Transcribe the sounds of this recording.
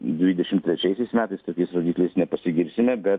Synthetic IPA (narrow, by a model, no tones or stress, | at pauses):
d̪ʲʋʲiːd̪ʲɛʃʲɪmt̪ʲɾʲɛt͡ʃʲɛɪsʲɛɪsmʲæːt̪ɐɪst̪oːkʲɛɪsɾoːd̪ʲiːklʲɛɪsnʲɛpɐsʲɪɡʲɪɾʲsʲɪmʲɛbʲɛt̪